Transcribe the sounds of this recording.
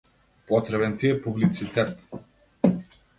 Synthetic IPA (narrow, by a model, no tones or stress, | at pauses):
pɔt̪ɾɛβɛnt̪iɛpublit̪sit̪ɛt̪